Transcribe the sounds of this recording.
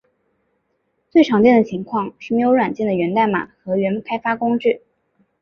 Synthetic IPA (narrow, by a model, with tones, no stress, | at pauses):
t͡swe˥˩ɪʈ͡ʂʰɑ˧˥ŋtt͡ɕjɛ˥˩nd̪ə˩t͡ɕʰi˧˥ŋkʰwɑ˥˧ŋʂɻ̩˥˩m˧˥ɪjo˧˥ʊwa˨˩nt͡ɕjɛ˥˩nd̪ə˩ɥɛ˧˥nt̪a˥˩ɪma̰˨˩xɤ˧˥ɥɛ˧˥nkʰa˥ɪfa˥kʊ˥ŋʈ͡ʂɻ̩˥˩